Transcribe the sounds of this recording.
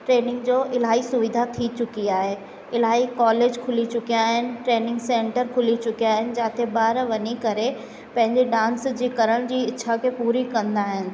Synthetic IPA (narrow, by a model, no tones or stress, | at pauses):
ʈɾeːnɪ̃ŋɡd͡ʑoːʔɪlaːɦisʊʋɪd̪ʱat̪ʰit͡ɕʊkiaːɦe | ɪl̤aːɦikɔːleːd͡ʑkʰʊlit͡ɕʊkijaːɦɪnɪ̆ʈɾeːnɪ̃ŋɡsẽːɳʈəɾkʰʊlit͡ɕʊkijaːɦɪnɪ̆d͡ʑãːt̪ʰebaːɾʋɐɲikɐɾe | pɐ̃ɦɪ̃ɲd͡ʑeɖãːnsd͡ʑiːkɐɾəɽ̃d͡ʑiːɪtːt͡ɕʰakʰepuːɾikɐ̃nd̪aːɦɪnɪ̆